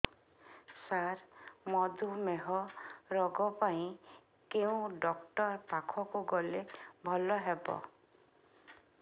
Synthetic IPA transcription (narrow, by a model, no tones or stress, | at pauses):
saɾmɔd̪ʱumeɦɔɾɔɡɔpaĩ | keũɖɔkʈɔɾpakʰɔkuɡɔlebʱɔlɔɦebɔ̰